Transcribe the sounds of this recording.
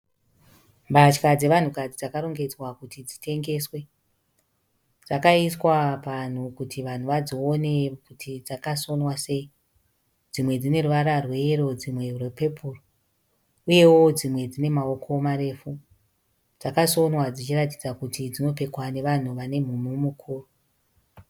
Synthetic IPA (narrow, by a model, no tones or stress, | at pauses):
mbat͡ʃkad͡ze̞ʋan̤ukad͡zid͡zakaɾo̞ŋɡe̞d͡zwakutid͡zitʰe̞ŋɡe̞swe̞ | d͡zakaiswapan̤ukutʰiʋan̤uʋad͡zo̞ːne̞kutʰid͡zakaso̞nwase̞i | d͡zimwe̞d͡zine̞ruʋaɾarwe̞ro̞d͡zimwe̞rwepe̞pʰuːro | uje̞wo̞d͡zimwe̞d͡zine̞mao̞kʰo̞mare̞ːfu | d͡zakaso̞nwad͡zit͡ʃirat̬id͡zakutid͡zino̞pe̞kwane̞ʋan̤uʋane̞m̤umumukʰuːro